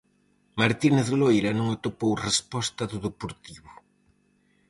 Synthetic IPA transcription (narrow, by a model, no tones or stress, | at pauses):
maɾt̪ineθlojɾɐnõŋot̪opowrespɔst̪ɐðʊðepoɾt̪iβʊ